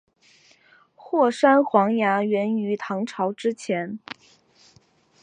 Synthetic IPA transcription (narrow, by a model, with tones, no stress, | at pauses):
xwɔ˥˩ʂa˥nxwɑ˧˥ŋja˧˥ɥɛ˧˥ny˧˥t̪ʰɑ˧˥ŋʈ͡ʂʰɑ˧˥ʊʈ͡ʂɻ̩˥t͡ɕʰjɛ˧˥n